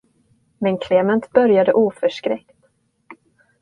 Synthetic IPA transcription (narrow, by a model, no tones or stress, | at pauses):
mɛnkʰleːmɛnt̪bœɾjad̪əʔuːfœʂkɾɛkt̪